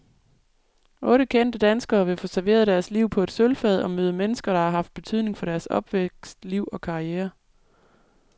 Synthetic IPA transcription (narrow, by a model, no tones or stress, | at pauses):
ʔɔ̽ːɾ̥əkʰen̰d̥əd̥ænsɡ̥ɐːʋe̝fɔːsæɐʋe̝ːɐð̞ˠd̥æɐsliʊ̰pʰɒ̽e̝d̥sølfɛð̞ˠɒ̽møːð̞ˠəmenəsɡ̥ɐɾ̥ɑ̈hɑ̈ɦɑ̈fd̥̚b̥e̝t͡sʰyð̞̰ˠne̝ŋfɒ̽ɾ̥æɐsɒ̽b̥ʋeɡ̥sd̥liʊ̰ɒ̽kʰɑ̈ieːɐ